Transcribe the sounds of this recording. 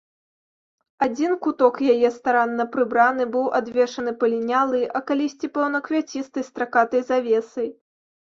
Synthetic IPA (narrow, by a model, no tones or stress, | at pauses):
ad͡zʲinkut̪ɔkjajɛst̪aɾanːɐpɾɨbɾanɨbɨwʔad̪vʲɛʂɐnɨpɐlʲinʲalˠɨɐkalʲisʲt͡sʲipɔwnɐkvʲat͡sʲist̪ɨjst̪ɾakat̪ɐjzavʲɛsɐj